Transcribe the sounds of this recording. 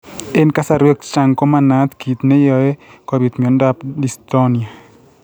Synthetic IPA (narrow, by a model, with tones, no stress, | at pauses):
e˦nka˦sa˨ɾwe˦kt͡ʃa˨ŋko˦mana˦t̪ki˨t̪nɛ˦jɔ˨ɛ˦kɔ˦ɾit̪mi˨ɔ˨˦nda˦pdist̪ɔ˦ni˨a˨